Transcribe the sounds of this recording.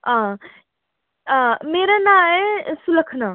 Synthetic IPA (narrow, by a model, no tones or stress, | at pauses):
ã | ãmeːɾanãesuləkʰna